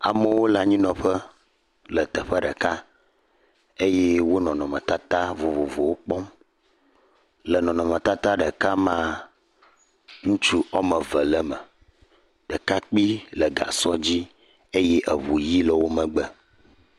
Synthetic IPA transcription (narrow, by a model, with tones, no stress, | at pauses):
a̰˨mə˦wo˦la˦ɲĩ˦nɔ̃˨ɸə˦ | lə˨t̪ə˨ɸə˦ɖə˨ka˦ | e˦jɛ˦wo˦nɔ̃˨nɔ̃˨mə̰̃˨t̪a˦t̪a˦vo˨vo˨vo˨wo˦k͡pɔ˦m | lə˨nɔ̃˨nɔ̃˨mə̃˨t̪a˦t̪a˦ɖə˨ka˦mã˦ | ŋũ˦t͡ʃu˦ɔ˦mə̃˨və˨lə˦mə˨ | ɖ̥ə˨ka˦k͡pi˦lə˨ɡa̰˨sɔ˦d͡ʑi˦ | e˦jɛ˦ʔə˨βu˨ji˦lə˨wo˦mə̃˨ɡ͡bə˨